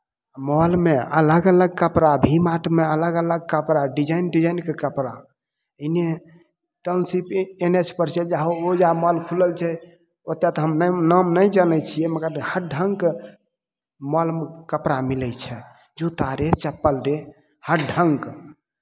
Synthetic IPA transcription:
mɔlmeə̰ləɡələɡ̚kəpɾabʱimaʈʰmeələɡələɡ̚kəpɾaɖid͡ʒainɖid͡ʒainkekəpɾa | əne | ʈənsipenet͡ʃʰpəɾt͡ʃʰɛd͡ʒaɦood͡ʒamɔlkʰuləlt͡ʃʰɛ | ot̪ːjat̪ɔɦəmnnamnəjd͡ʒənɛt͡ʃʰiɛməɡəɾhəʈ̚ɖʱəŋɡke | mɔlmkəpɾamilət͡ʃʰɛ | d͡ʒot̪aɾet͡ʃəpːəlɾe | həʈ̚ɖʱəŋk

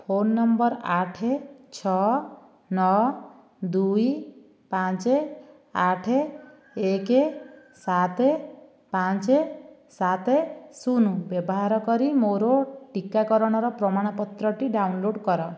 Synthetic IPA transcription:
pʰonːɔmbɔɾaʈʰet͡ʃʰɔ | nɔ | d̪uj | pãt͡ʃe | aʈʰe | eke | sat̪e | pat͡ʃe | sat̪esunubjɔbɔɦaɾɔkɔɾimoɾoʈikakɔɾɔɽ̃ɔɾɔpɾɔmaɽ̃ɔpɔt̪ɾɔʈiɖawnloɽkɔɾɔ

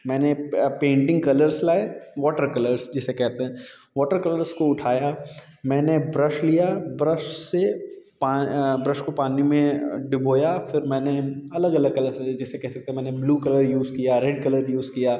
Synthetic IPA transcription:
mɛ̃ːnepẽːɳʈɪ̃ŋɡ̚kɐləɾslaːeʋɔːʈəɾkɐləɾsd͡ʒɪsekɛɦt̪eɦɛ̃ | ʋɔːʈəɾkɐləɾskoʊʈʰaːja | mɛ̃ːnebɾəʃlijabɾəʃsepaːbɾɐʃkopaːnimẽɖɪboːjafɪɾmɛːneɐləɡɐləɡ̚kɐləɾsd͡ʒɪsːekɛɦsɐk̚t̪eɦɛmɛ̃ːnebluːkɐləɾjuːzkijaɾɛɖ̚kɐləɾjuːzkijaː

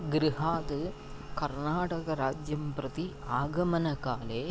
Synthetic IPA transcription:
ɡɾiɦaːd̪ɨ | kɐɾnaːʈɐkɐɾaːd͡ʒjɐmpɾɐt̪iaːɡɐmɐnɐkaːleː

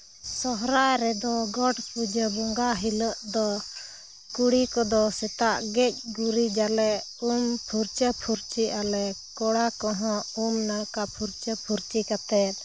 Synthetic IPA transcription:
sɔɦɾajɾɛd̪ɔɡɔʈpud͡ʒəbɔŋɡaɦiləʔd̪ɔ | kuɽikɔd̪ɔsɛt̪aʔɡɛc̚ˀɡuɾid͡ʒalɛʔumpʰuɾt͡ʃəpʰuɾt͡ʃialɛkɔɽakɔɦɔ̃umnakapʰuɾt͡ʃəpʰuɾt͡ʃikat̪ɛt̪̚

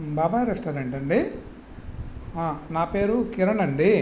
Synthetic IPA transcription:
baːbaːjɾɐsʈɐːɾeɳʈɐɳɖi | aːnaːpe̞ːɾukiɾɐnɐɳɖi

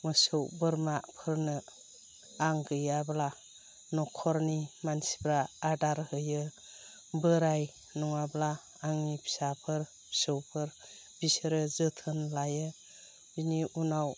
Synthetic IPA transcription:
mɯsɯwbɯɾmapʰɯɾnɯ | aŋɡɯjabla | nɔkʰɔɾnimansi̥bɾaːdaɾhɯjɯ | bɯɾaj | nɔŋablaː | ŋnipʰi̥sapʰɯɾ | bi̥sɯwpʰɯɾ | b̥isɯɾɯzɯtʰɯnlajɯ | biniʔunaw

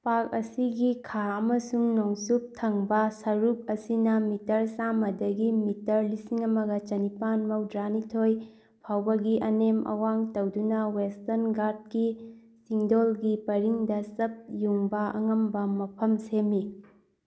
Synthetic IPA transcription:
pakɐsiɡikʰaɐmɐsuŋnoŋsup̚tʰɐŋbɐsɐɾup̚ɐsinɐmitɐɾsamɐdɐɡimitɐɾlisiŋɐmɐɡɐt͡ʃɐnipanmɐwdɾanitʰoj | pʰawbɐɡiʔɐnemɐ̰waŋtɐwdunɐwestɐnɡaɾt̚ki | siŋdolɡipɐɾiŋdɐsɐp̚juŋbɐɐ̰ŋɐmbɐmɐpʰɐmsemi

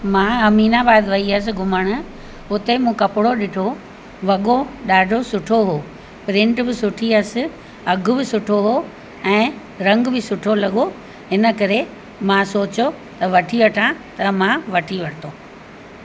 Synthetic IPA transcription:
mãːɦɐmiːnabaːd̪ʋɐiəs̬ɪ̆ɡʱʊməɽ̃ʊ̆ | ʊt̪emũːkɐpɪɽoɗɪʈʰo | ʋɐɠoɗaːɖʱosʊʈʰoɦoː | pɾɪ̃ɳʈbɪsʊʈʰiɐsɪ̆ | ɐɡʱʊ̆bɪsʊʈʰoɦo | ɛ̃ː | ɾɐ̃ŋɡbɪsʊʈʰolɐɠo | ɦɪnə̆kɐɾe | mãsoːt͡ɕo | t̪ɐʋɐʈʰiʋɐʈʰãt̪ɐmãʋɐʈʰiʋɐʈʰt̪oː

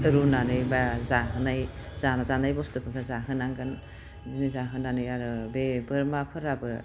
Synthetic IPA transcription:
ɯɾunanɯjbazaɦɯnajzanazanajbɔstɯpʰɯbʰazaɦɯnaŋɡan | dinizaɦɯnanɯjaɾɯbebɯɾmapʰɯɾabɯ

